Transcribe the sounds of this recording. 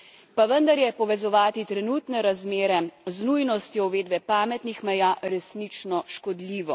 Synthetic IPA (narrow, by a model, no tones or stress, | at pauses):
paʋənd̪aɾjɛpɔʋɛzɔʋaːt̪it̪ɾɛnuːt̪nɛɾazmeːɾɛznujnɔst̪jɔwʋeːd̪bɛpaːmɛt̪nixmɛjaɾɛsnit͡ʃnɔʃkɔd̪liːʋɔ